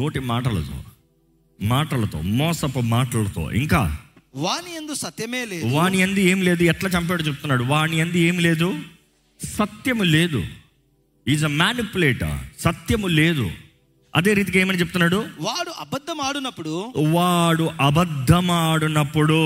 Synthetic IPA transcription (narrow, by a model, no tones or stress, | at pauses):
no̞ːʈimaːʈɐlɐ̰t̪o̰ː | maːʈɐlɐt̪o̰ːmɔːsɐpɐmaːʈɐlɐt̪o̰ːʔḭŋka̰ːʋaːniɐnd̪usɐt̪jɐmeːleːʋaːɳiɐnd̪ieːmile̞ːd̪uɛʈlaːt͡ʃɐmpɛːɽot͡ʃep̬ut̪unːaːɽuʋaːɳiɐnd̪ie̞ːmile̞ːd̪u | sɐt̪jɐmule̞ːd̪ṵ | iːzɐmaːnipuleːʈɐ̰sɐt̪jɐmule̞ːd̪ṵ | ɐ̰d̪e̞ːɾiːt̪̬ikeːmɐnit͡ʃepu̥t̪unːaːɽuʋaːɽuɐbɐd̪ʱːɐmaːɽunɐpːuɽuʋaːɽuʔɐbɐd̪ʱːɐmaːɽunɐpːuɽu